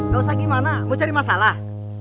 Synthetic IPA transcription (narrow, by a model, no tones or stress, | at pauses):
dosaɡimanamut͡ʃaɾimasalah